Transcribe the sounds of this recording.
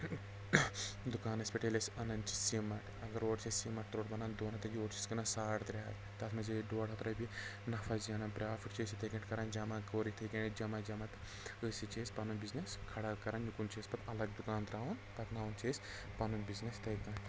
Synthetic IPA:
d̪ukaːnɐsʲpɐʈelʲesɐnɐnt͡ʃi̥simɐʈɐɡɐɾoːʈt͡ʃʰisʲsiːmɐʈ̚t̪ɾoːʈbɐnand̪oːnɐt̪ɐjioːʈt͡ʃʰisʲkɐnansaːɽt̪ɾɐɦɐ̰l | t̪ɐt̪mɐzeɖoːɽɦɐt̪ɾɐbinɐfʰɐzjɐnɐnpɾaːfiʈt͡ʃʰeːsit̪ɐkɐɳʈkɐɾand͡ʒɐmaːɡoːɾit̪ʰɐjkɐnid͡ʒɐmad͡ʒɐmɐt̪ɨ̥ | əːsit͡ʃeːsʲpɐnunbizneskʰɐɽakɐɾɐnjukunt͡ʃʰeːsʲpɐt̪ʰɐlɐɡ̚d̪ukaːnd̪ɾaːwunpɐt̪naːunt͡ʃʰeːsʲ | pɐnunbiznest̪ɐjkɐːn

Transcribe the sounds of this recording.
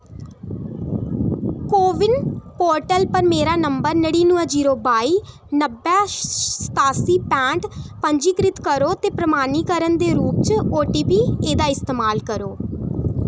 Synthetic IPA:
koːʋɪnpoːɾʈəlpəɾmeːɾaːnəmbəɾnəɽiːnʊəd͡ʒiːɾoːbaːiː | nəbɛːsə̥t̪aːsiːpɛ̃ːɳʈpəɲd͡ʒiːkɾɪt̪kəɾoːt̪eːpɾəmaːniːkəɾənd̪eːɾuːp̚t͡ʃoːʈiːpiːeːd̪aːɪst̪eːmaːlkəɾoː

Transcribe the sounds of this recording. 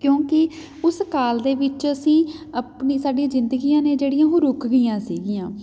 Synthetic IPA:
kjõːkɪ | ʊskaːld̪eːʋɪt͡ʃəsĩːəpniːsaːɖiãːzɪnd̪əɡiːjãːneːd͡ʒeːɽɪjãːɦõːɾʊkʰɡɪːjãːsḭːɡijãː

